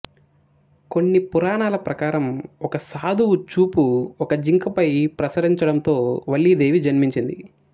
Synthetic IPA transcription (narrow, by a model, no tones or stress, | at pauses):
ko̞nːipuɾaːnaːlɐpɾɐkaːɾɐmɔkɐsaːd̪ʱuwut͡ʃuːpuɔkɐd͡ʒiŋkɐpɐjpɾɐsɐɾiɲt͡ʃɐɽɐnt̪o̞ːʋɐɭːid̪e̞ːʋid͡ʒɐnmiɲt͡ʃind̪ḭ